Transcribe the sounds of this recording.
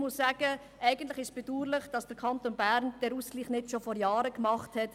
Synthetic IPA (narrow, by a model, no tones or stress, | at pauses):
mʊssæːɡ̥ə | ʔɛɪɡəntlɪχɪʃsb̥eduːɾlɪχd̥ɑsd̥əɾkʰɑntoːnbæːɾnd̥ɛɾuskliːχnɪtʃofɔɾjɑːɾəkmɑχthɛt